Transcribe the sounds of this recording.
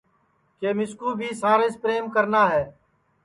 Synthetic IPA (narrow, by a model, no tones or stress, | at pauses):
keːmɪskuːbʱiːsaːɾespɾeːmkəɾnaːɦɛː